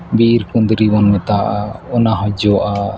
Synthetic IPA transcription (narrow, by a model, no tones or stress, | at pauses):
biɾkund̪ɾibɔnmɛt̪aʔaɔnaɦɔd͡ʒɔʔa